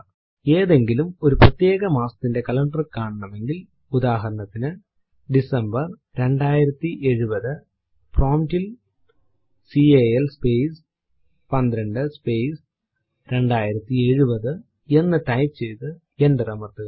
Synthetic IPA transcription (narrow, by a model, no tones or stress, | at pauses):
e̞ːðe̞ŋɡilumo̞ɾuprɐt̪ːje̞ːɣɐmaːsɐ̥t̪ːinde̞kɐlɐɳɖɐrkaːɳɨɳɐmʋe̞ŋɡil | ud̪aːɦɐɾɐɳɐt̪ːinɨ | ɖisɐmbɐr | ɾe̞ɳɖaːjiɾɐt̪ːiʔe̞ɻubɐðɨ | proːmdil | siejelspeːs | pɐnd̪ɾɐɳɖɨspe̞ːs | ɾe̞ɳɖaːjiɾɐt̪ːie̞ɻubɐðɨ | e̞nːɨʈɐjpt͡ɕe̞jt̪ɨ | endɐrɐmɐrt̪ɨ